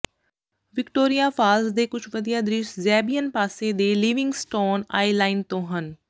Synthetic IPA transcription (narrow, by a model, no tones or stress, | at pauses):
ʋɪkʈoːɾijaːfʰaːlsd̪eːkʊt͡ʃʰʋəd̪ijaːd̪ɾɪʃzɛːbijənpaːseːd̪eːliːʋɪ̃ŋɡsʈoːna̰ːilaːɪnt̪õːɦən